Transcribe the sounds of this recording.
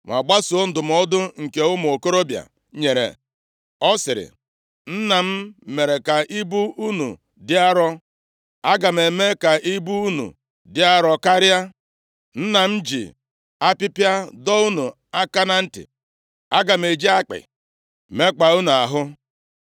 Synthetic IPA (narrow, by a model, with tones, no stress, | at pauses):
ŋʷa̰˨ɡ͡ba˦su˨o˦n̩˨dʊ˨m̩˨ɔ˦dʊ˦ŋ̩˨ke˨ʊ˦m˨o˨ko˦ɾo˦bja̰˨ | ɲe˨ɾḛ˨ | ɔ˦sɪ˨ɾɪ̰˨ | n̩˦na˨m̩˦me˨ɾe˨ka˨ʔi˦bu˦u˦nṵ˨ | dɪ˦a˦ɾɔ˦ | a˦ɡa˨m̩˨e˨me˦ka˨ʔi˦bu˦u˦nṵ˨ | dɪ˦a˦ɾɔ˦ka˦ɾɪ˦a˦ | n̩˦na˨m̩˦d͡ʒḭ˨ | a˦pɪ˦pja˦dɔ˦u˦nu˨ | a˦ka˦na˦n̩˦tɪ̰˨ | a˦ɡa˨m̩˨e˨d͡ʒi˦a˦k͡pɪ̰˨ | me˦k͡pa˨u˦nu˨a˨ɦʊ˦